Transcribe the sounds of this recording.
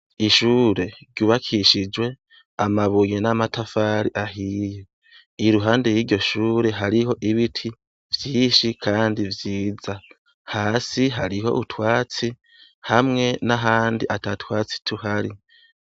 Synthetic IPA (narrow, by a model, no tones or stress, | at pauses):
iʃuːɾe̞ɾɟuːβakʰiʃid͡ʒwe̞ | amaβujenamatʰafaːɾiʔaɦiːje | iɾuɦaːndejiːɾɟo̞ʃuːɾe̞ɦaɾiɦo̞ʔiβitʰi | vjiːʃikʰaːndivjiːza | haːsiɦaɾiɦo̞̰ʔutwaːt͡si | hamŋe̞naɦaːndiʔatatwaːt͡si̥tʰuhaɾi